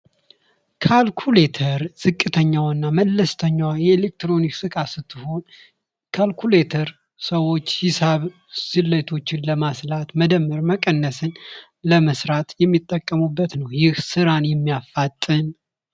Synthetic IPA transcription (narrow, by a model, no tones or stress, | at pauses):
kʰalkʰulet̪ʰəɾz̥ɨkʼːɨt̪ʰəɲːawnːaməlːəst̪ʰəɲːawjɛelek̚t̪ɾo̞niksɨkʼasɨt̪ʰːɨho̞n | kʰalkʰulet̪ʰəɾ | səwo̞t͡ʃːhɪsaβ | sɨlːət̪ʰo̞t͡ʃːɪnləmaslat̪məd̪əmːɨɾməkʼənːəsɨn | ləməsɾat̪jɛmːit̪ʼːəkʼːəmubːət̪nəwjɪhsɨɾanjɛmːijafːat̪ʼːɨn